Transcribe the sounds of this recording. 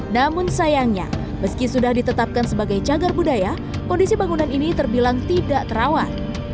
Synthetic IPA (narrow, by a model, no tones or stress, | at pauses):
namʊnsajaŋɲa̰ | məskisudahdit̪ət̪ap̚kansəbaɡajd͡ʒaɡarbudaja | kɔndisibaŋunaninit̪ərbilaŋt̪idaʔt̪əɾawat̪̚